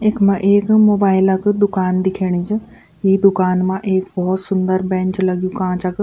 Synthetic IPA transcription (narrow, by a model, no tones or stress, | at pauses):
ekmãːʔeːkmoːbaːɪlɐkd̪ʊkaːnd̪ɪkʰeːɽ̃it͡ʃ | iːd̪ʊkaːnmãːʔeːkbɔːt̪sʊnd̪əɾbɛ̃ːɲt͡ʃlɐɡijũkãːt͡ʃɐk